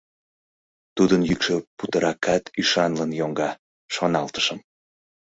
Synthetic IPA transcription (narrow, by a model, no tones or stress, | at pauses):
t̪ud̪ənjykʃəput̪əɾɑkɑt̪yʃɑnlənjoŋɡɑ | ʃonɑlt̪ə̥ʃəm